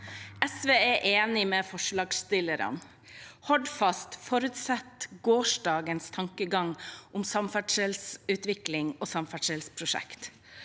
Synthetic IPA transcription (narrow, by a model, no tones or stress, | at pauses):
ɛsʋeːæʔeːnɪmeːfɔʂɭɑːɡst̪ɪləɾɑ̰n | hɔɖ̪fɑst̪fɔɾʉt̪sɛt̪ɡoːʃɖɑːɡənst̪ʰɑŋkəɡɑŋʔʊmsɑmfæɖʂɛlsʉːt̪ʋɪklɪŋoːsɑmfæʂɛlspʰɾʊʂɛ̰kt̪